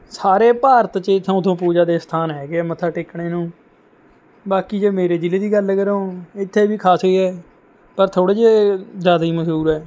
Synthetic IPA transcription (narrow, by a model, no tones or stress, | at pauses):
saːɾeːpaːɾət̪t͡ʃeɪt̪ʰːãt̪ʰõːp̬uːd͡ʒaːd̪eːst̪ʰaːnɦɛːɡeaːmət̪ʰaːʈɪkɽeːnũː | baːkiːd͡ʒeːmeːɾeːd͡ʒ̪ɪleːd̪iːɡəlːkəɾõːɪt̪ʰːeːbiːkʰaːsɦoiɛː | pəɾt̪ʰoːɽeːd͡ʒezjaːd̪aːɦiːməd͡ʒuːɾɛː